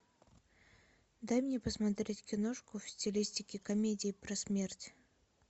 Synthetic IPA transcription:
d̪ajmnʲepəsmɐt̪ɾʲetʲkʲɪnoʂkʊfsʲtʲɪlʲisʲtʲɪkʲɪkɐmʲedʲɪːpɾɐsmʲertʲ

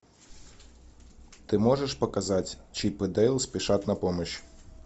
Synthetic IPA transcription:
t̪ɪmɔʒeʃpɔkɐzɑtʲt͡ʃipɪd̪ɛjlˠsʲpʲiʃɑt̪nɐpɔmɔt͡ʃ

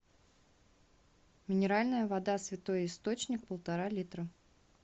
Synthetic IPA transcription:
mʲɪnʲɪɾalʲnəjəvɐd̪asvʲɪt̪o̞jɪst̪o̞t͡ɕnʲɪk̚pəlˠt̪ɐɾalʲit̪ɾə

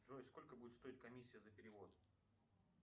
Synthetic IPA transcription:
ʐoɪsko̞lʲkəbudʲɪt̪st̪o̞ɪt̪̚kɐmʲisʲːɪjəzəpʲɪɾʲɪvo̞t̪̚

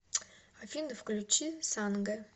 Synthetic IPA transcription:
afʲind̪əfklʲut͡ʃisanɡɐ

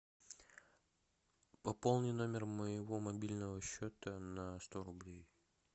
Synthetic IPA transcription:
pɐpo̞lˠnɨjno̞mʲɪrməjɪvo̞mɐbʲilʲnəvəɕːot̪ənɐst̪oɾʊblʲej

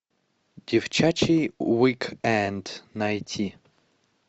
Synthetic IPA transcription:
d̥ʲiwt͡ʃat͡ʃijwikʰɛnd̪nɐjtʲʰi

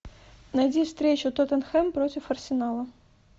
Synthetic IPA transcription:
nɐjdʲifst̪ɾʲet͡ɕʊt̪ot̪ənxɛmpɾotʲɪfɐrsʲɪnalˠə

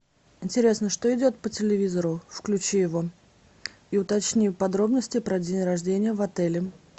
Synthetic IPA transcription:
ɪnʲtʲɪɾʲe̞snəʂt̪o̞ɪdʲo̞t̪̚pətʲɪlʲɪvʲizəɾʊfklʲʉt͡ɕijɪvo̞ | iʊt̪ɐt͡ɕnʲipɐd̪ɾo̞bnəsʲtʲɪpɾɐdʲenʲrɐʐdʲenʲɪjəvɐt̪ɛlʲɪ

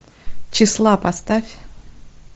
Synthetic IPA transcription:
t͡ʃislˠapast̪afʲ

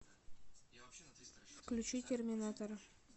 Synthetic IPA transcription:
fklʲʉt͡ʃit̪ʲʰermʲɪnat̪oɾ

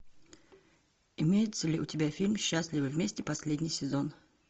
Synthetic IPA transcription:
ɪmʲejɪt̪səlʲɪʊtʲɪbʲafʲilʲmɕːasʲlʲɪvɨvʲmʲesʲtʲɪpɐsʲlʲedʲnʲɪjsʲɪzon

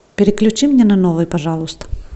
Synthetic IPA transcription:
pʲɪɾʲɪklʲʉt͡ɕimnʲɛnɐnovɨjpɐʐɑlˠʊst̪ə̥

